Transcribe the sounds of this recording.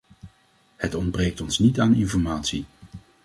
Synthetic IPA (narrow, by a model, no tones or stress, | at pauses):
hətɔndbrejk̚tɔnsnitaːnɪnfɔɹmaːtsi